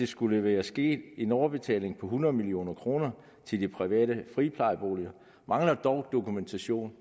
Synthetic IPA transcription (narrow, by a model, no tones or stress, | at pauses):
d̥e̝sɡ̥uləʋæːɐsɡ̥e̝̰ːd̥e̝nɒʊɐb̥e̝t͡sʰɛ̰ːle̝ŋpʰɒ̽ɦunɐð̞̩ˠmilio̝̰ːnɐkʰʁo̝ːnɐ | t͡sʰe̝ld̥ipʰʁiʋɛ̰ːɾəfʁipʰlɑ̈ɪb̥o̝̰ːliɐ | mɑ̈ŋlɐd̥ɒʊd̥o̝kument͡sʰæɕo̝̰ːn